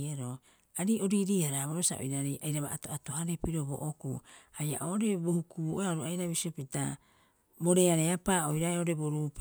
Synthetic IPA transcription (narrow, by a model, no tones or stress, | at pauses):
eɾo | aɾio̞ɾiɾiaɾaβoɾosa̰ʔo̰jɾaɾiʔajɾaβaʔtoatoɦaɾepiɾo̞bo̰ʔokuaja̰ʔoɾe̞bohukuʔoaɾuajɾaβisiopita | bo̞ɾe̞aɾeapaːojɾaeoɾe̞boɾup